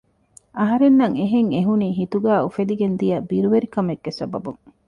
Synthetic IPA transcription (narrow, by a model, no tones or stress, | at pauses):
ɐɦɐɾenːɐŋeɦeŋeɦuniːɦit̪uɡæːufed̪iɡend̪ijɐbiɾuʋeɾikɐmeɡːesɐ̰bɐbuŋ